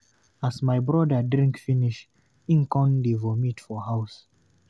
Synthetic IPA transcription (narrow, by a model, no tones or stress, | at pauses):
asmajbɹɔdədɹĩŋkfiniʃ | ĩŋkɔ̃ndevɔmitfɔhaws